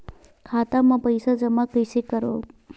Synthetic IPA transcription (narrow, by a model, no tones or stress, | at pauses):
kʰat̪amãpəjsad͡ʒəmakəjsikəɾo̰